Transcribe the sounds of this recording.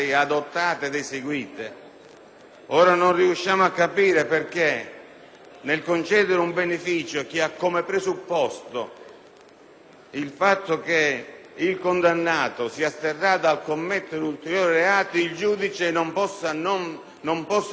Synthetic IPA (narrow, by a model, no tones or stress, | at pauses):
ɪad̪ot̪ːaːt̪ɪed̪eseɡwiːt̪ɪ | ɔːɾanonriuʃːaːmʊakːapiːɾepɪrk̟e | nelkont͡ʃɛːd̪ɪɾumbenefiːt͡ʃok̟iakːomepɾesupːɔst̪o | ilfat̪ːʊk̟e | ilkond̪anːaːt̪ʊsiːast̪erːad̪alkomːɛt̪ːod̪ult̪eɾjoːɾɪɾeaːt̪oild͡ʒuːd̪it͡ʃɪnompɔsːanon | nompɔsː